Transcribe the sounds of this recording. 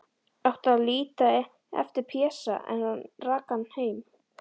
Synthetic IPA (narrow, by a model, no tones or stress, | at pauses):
awht̪aðliːt̪a | ɛ̰ft̪ɪɾpʰɛːsa̰ɛ̰nanrakanːheːjm